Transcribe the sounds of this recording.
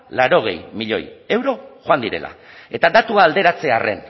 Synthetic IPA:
laɾo̞ɣ̞e̞̰jmiʎo̞̰je̞wɾo̞xoand̪iɾe̞̰lʔa̰ | e̞t̪ad̪at̪uaːld̪e̞ɾat͡se̞are̞̰n

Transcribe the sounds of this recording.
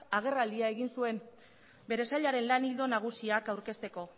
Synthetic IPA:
aɣ̞e̞rald̪iae̞ɣinsue̞m | be̞ɾe̞saʎaɾe̞nlanild̪o̞naɣ̞usiakawɾke̞st̪e̞ko̞

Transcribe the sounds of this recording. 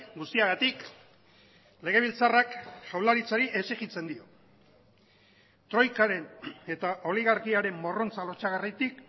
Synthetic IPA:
ɡust̪iaɣat̪ik | le̞ɣ̞e̞β̞ilt͡sarakʃawlaɾit͡saɾiʔe̞seɣit͡se̞nd̪io̞ | t̪ɾo̞jkaɾe̞ne̞t̪aʔo̞liɣ̞aɾkiaɾe̞mbo̞ro̞nt͡salo̞t͡ʃaɣarit̪ik

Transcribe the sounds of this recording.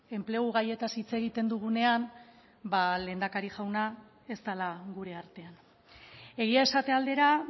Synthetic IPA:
e̞mple̞ɣuɣ̞aje̞t̪asit͡se̞ɣ̞it̪e̞nd̪uɣ̞une̞an | bale̞ːnd̪akaɾiʝawna | e̞st̪alaɣuɾe̞aɾt̪e̞an | e̞ɣ̞iae̞sat̪e̞ald̪e̞ɾa

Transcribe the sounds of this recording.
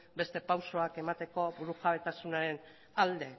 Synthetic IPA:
be̞st̪e̞pawso̞ake̞mat̪e̞ko̞buɾuxaβe̞t̪asunaɾe̞n | ald̪e̞

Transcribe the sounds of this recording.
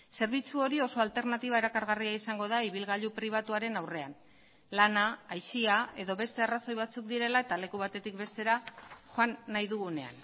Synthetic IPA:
se̞ɾβit͡suo̞ɾio̞so̞alt̪e̞ɾnat̪iβae̞ɾakaɾɣariaisaŋɡo̞ðaiβ̞ilɣaʎupɾiβ̞at̪uaɾe̞nawre̞an | lanaːjʃiae̞ðo̞βe̞st̪e̞araso̞jβat͡sukd̪iɾe̞lae̞t̪ale̞kuβat̪e̞t̪ik̚be̞st̪e̞ɾaxoanːajðuɣune̞a̰n

